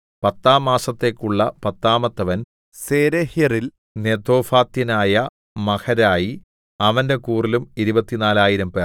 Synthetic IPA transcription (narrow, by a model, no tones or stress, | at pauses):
pɐt̪ːaːmːaːsɐt̪ːe̞ːkːuɭːɐpɐt̪ːaːmɐt̪ːɐʋɐn | seːɾehjɐril | ne̞d̪o̞ːfaːt̪ːinaːjɐ | mɐkɐɾaːji | ɐʋɐnde̞kuːrilumiɾubɐt̪ːinaːlaːjiɾɐmpe